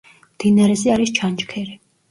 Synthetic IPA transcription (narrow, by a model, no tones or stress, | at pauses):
md̪̥inaɾɛzɛaɾist͡ʃʰant͡ʃkʰɛɾi